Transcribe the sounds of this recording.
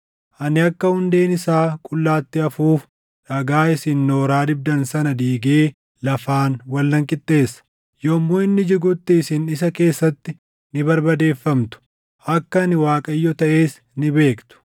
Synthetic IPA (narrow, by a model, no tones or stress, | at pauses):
ʔɐnɪɐkːɐhʊnd̪e̞ːnɪsaːkʼʊlːaːt̪ːɪɐfuːf | ᶑɐɡaːɪsɪnːo̞ːɾaːd̪ɪb̚d̪ɐnsɐnɐd̪iːɡeː | lɐfaːnwɐlːɐŋkʼɪt̪ʼːe̞ːsːɐ̥ | jomːoːɪnːɪd͡ʒɪɡʊt̪ːɪːsɪnɪs̬ɐke̞ːsːɐt̪ːɪ | nɪbɐɾbɐd̪e̞ːfːɐmt̪ʊ̥ | ʔɐkːɐnɪwaːkʼɐjːɔt̪ɐʔe̞ːs | nɪbe̞ːkt̪ʊ̥